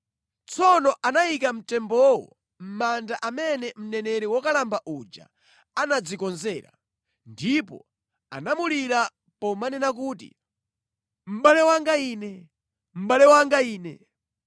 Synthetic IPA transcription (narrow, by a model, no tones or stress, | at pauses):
t͡sʰɔnɔʔanaikam̩tɛmbɔwɔ̰ | m̩mandaʔamɛnɛm̩nɛnɛɾɛwɔkalambaʔud͡ʒa̰ | anad͡zikɔnzɛːɾa̰ | ndipɔ̰ | a̰namuliɾa | pɔmanɛnak̬uːtḭ | m̩ɓalɛwaŋɡaiːnɛ | m̩ɓalɛwaŋɡaiːnɛ̰